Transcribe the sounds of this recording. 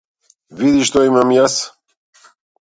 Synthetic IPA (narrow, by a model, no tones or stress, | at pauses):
vid̪iʃt̪ɔimamjas